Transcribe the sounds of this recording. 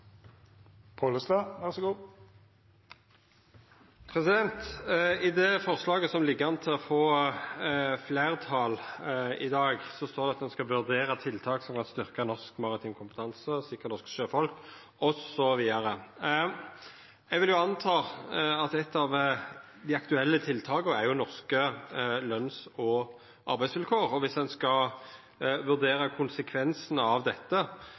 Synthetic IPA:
pʰoləst̪ɑːʋæʁsɔɡuː | pʰʁɛsɪd̪ɛnt̪ɪd̪ɛfɔʁslɑːɡəsɔmlɪɡːəɑnət̪ʰɪlɔfoː | fleːʁt̪ʰɑːlɪd̪ɑːɡsɔst̪oːɾd̪ɛɑt̪d̪ɛnskɑʋʉʁd̪eːʁət̪ʰɪlt̪ʰɑːksɔmkɑnst̪ʏʁkənɔskmɑʁɪt̪ʰiːnkʰʊmpət̪ʰɑnsəsɪkːəɾnɔskʃøːfɔlk | ɔsɔʋiːd̪ɑɾə | jɛɡʋɪljʊɑnt̪ʰɑːɑt̪ɛt̪ːɑʋ | d̪ɪɑkt̪ʉɛlːət̪ʰɪlt̪ʰɑːkəæɾjʊnɔʁskəlœnsɔ | ʔɑɾbæɪsʋɪlkʰoːʁɔʋɪsd̪ɛnskɑ | ʋʉʁd̪eːɾəkʰʊnsəkʰʋɛnsənəɑʋd̪ɛt̪ːə

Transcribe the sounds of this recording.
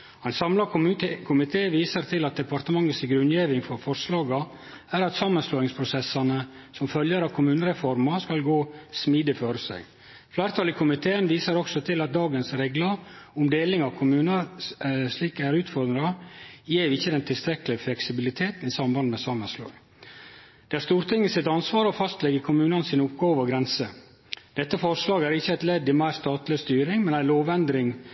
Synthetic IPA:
ɛɪnsɑmlɑk̪ːkʰʊmɪt̪ʰeːʋiːsəɾt̪ʰɪlɑt̪̚d̪ɛpɑɾt̪əmɑŋːəsɪɡɾʉnjeːʋɪŋfɔɾfɔɾslɑːɡə | æɾɑt̪sɑːmːənsloːɪŋspʰɾʊsɛsɑnə | sɔmfœljəɾɑʋkʰʊmʉːnəɾɛfɔɾmɑskɑlɡoːsmiːd̪ɪføːɾəsæ̰ɪ | flæːɾt̪ʰɑlɪkʰʊmɪt̪ʰeːənʋiːsəɾɔksɔt̪ʰɪlɑt̪̚d̪ɑːɡənsɾeːɡlɑʊmd̪eːlɪŋɑʋkʰʊmʉːnə | ʂliːkæɾʉːt̪fɔɾd̪ɾɑjeːʋɪçːəd̪ɛnt̪ʰɪlst̪ɾɛkəlɪəflɛksɪbɪlɪt̪ʰeːt̪n̩ɪsɑmbɑnd̪mɛsɑməslɑ̰ːɡ | d̪̥ɛæɾʂst̪uːɾt̪ʰɪŋːəsɪt̪ɑnsʋɑːɾɔfɑst̪lɛɡəkʰʊmʉːnɑnsiːnʊpɡɑːʋɑɡɾɛnsə | d̪̥ɛt̪ːəfɔɾʂlɑːɡæɾɪçːəæɪt̪lɛd̪ːɪmæɪɾst̪ɑːt̪lɪst̪yːɾɪŋmɛnæɪloːʋɛnd̪ɾɪŋ

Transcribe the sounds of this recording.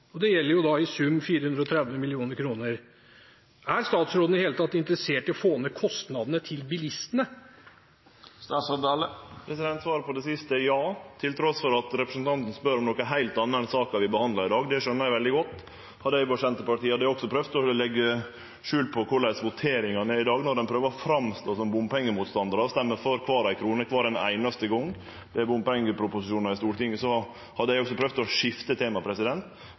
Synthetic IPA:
ɔd̪ɛjɛlːəɾjʊd̪ɑɪsʉmːfiːɾəhʉnd̪ɾɔt̪ʰɾɛd̪ʋəmɪlɪuːnəɾkʰɾuːnəɾ | æɾst̪ɑːt̪sɾoːd̪nɪheːlət̪ɑt̪ːɪnt̪əɾəseːʈɪɔfoːnəkʰɔst̪nɑd̪nət̪ʰɪlbɪlɪst̪ənə | st̪ɑːsɑd̪ɑləpʰɾɛsɪd̪ɛnt̪sʋɑːɾəpʰɔd̪ɛsɪst̪əjɑːt̪ʰɪlt̪ʰɾɔsfɔɾɑt̪ɾɛpɾəsən̩t̪ʰɑnt̪ən̩spœɾɔmnɔkːəɦæɪlt̪ɑːnːəɛnsɑːkɑʋɪbəhɑnd̪lɑɾɪd̪ɑːɡd̪ɛʂœnːəɾæɪʋɛld̪ɪɡɔt̪ː | hɑd̪əæɪʋɑʂɛnt̪əpɑʈiːɑd̪æɔksɔpʰɾœʋt̪ʰɔlɛɡːə | ʂʉːlpʰɔkʰʊɭæɪsʋʊt̪ʰeːɾɪŋɑnɛɾɪd̪ɑːɡnɔɾd̪ɛnpʰɾøːʋəɾɔfɾɑmst̪oːsɔmbʊmpɛŋːəmuːt̪st̪ɑnd̪ɑɾɑʋst̪ɛmːəføɾkʰʋɑːɾæɪkʰɾuːnəkʰʋɑːɾɛnæ̰ɪnɑst̪əɡɔŋ | d̪ɛæɾbʊmpɛŋːəpʰɾʊpʊsɪʂuːnɑɾɪst̪uːʈɪŋəsɔ | hɑd̪əɪɔksɔpʰɾœʋd̪t̪ɔʂɪft̪ət̪ʰeːmɑpʰɾɛsɪd̪ɛnt̪

